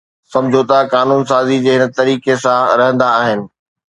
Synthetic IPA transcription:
sɐ̃md͡ʑʱot̪akaːnuːnsaːzid͡ʑeːɦɪnə̆t̪ɐɾiːkesãɾɐɦə̃nd̪aːɦɪnɪ̆

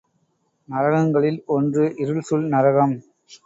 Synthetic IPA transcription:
nɐɾɐɣɐŋɡɐɭɪlɔndrɯʔɪɾɯɭsʊlnɐɾɐɣɐm

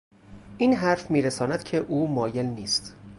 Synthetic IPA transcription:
ʔiːnɦæɾfmiːɾesɒːnæd̪̥̚cʰe̞ʔuːmɒːje̞lniːst̪

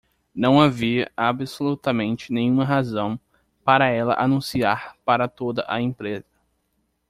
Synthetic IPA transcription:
nɐ̃w̃aviɐʔabɪsolut̪ɐmẽnt͡ʃɪnẽɲ̃ũmɐɦazɐ̃w̃ | paɾɐɛlɐ̰ʔanũsiaɾpaɾɐt̪od̪ɐʔaẽpɾezɐ

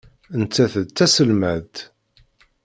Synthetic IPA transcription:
ənt͡sːæθət͡s̪ːæsəlmæðt̪

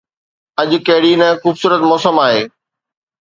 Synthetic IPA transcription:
ɐʄʊ̆kɐɦɪɽinɛ̃xuːbsuːɾət̪mɔːsəmaːɦeː

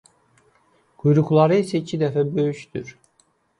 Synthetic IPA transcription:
kʰujɾuklˠɑɾɯisɛicʰid̪ɛfæbøjyʃt̪yɾ̥

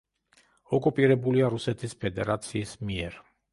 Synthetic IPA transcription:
ɔkʼupʼiɾɛbuliaɾusɛt̪ʰispʰɛd̪ɛɾat̪sʰiːsmiɛɾ

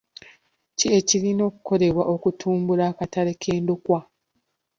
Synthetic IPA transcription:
ciecilino̞ːku̥ko̞ɾe̞βwaʔo̞kutʰuːmbulakatale̞kʰeːndukwa

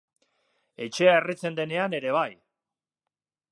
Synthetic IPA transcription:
e̞t͡ʃe̞aerit͡se̞nd̪e̞ne̞ane̞ɾe̞β̞aj

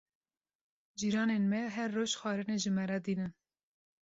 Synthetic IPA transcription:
d͡ʒiːɾɑːnenmɛɦɛrːoːʃxɑːɾɨneʒɨmɛɾɑd̪iːnɨn

